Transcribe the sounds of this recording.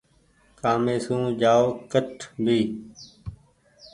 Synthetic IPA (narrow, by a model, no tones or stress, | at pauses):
kaːmeːsũːd͡ʒaːoːkəʈʰbʱiː